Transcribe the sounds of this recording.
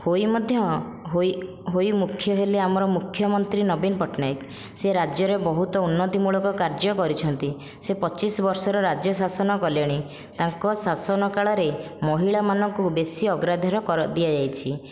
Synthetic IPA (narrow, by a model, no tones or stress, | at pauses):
hojmɔd̪ʱjɔ | ɦo | ɦojmukʰːjɔɦeleamɔɾɔmukʰjɔmɔnt̪ɾinɔbinɔpɔʈnajk | seɾad͡ʒjɔɾebɔɦut̪ɔunːɔt̪imuɭɔkɔkaɾd͡ʒɔkɔɾit͡ʃʰɔnt̪i | sepɔt͡ʃisɔbɔɾsɔɾɔɾad͡ʒjɔsasɔnɔkɔljaɽ̃i | t̪aŋkɔsasɔnɔkaɭɔɾemɔɦiɭamanɔŋkubesiɔɡɾad̪ʱɔɾɔkɔɾd̪iad͡ʒajt͡ʃʰi